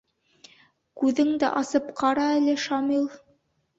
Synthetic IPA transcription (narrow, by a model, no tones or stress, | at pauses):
kʉðɘŋd̪æ̰ʔɑsɤpqʰɑɾɑælɘʃɑmilˠ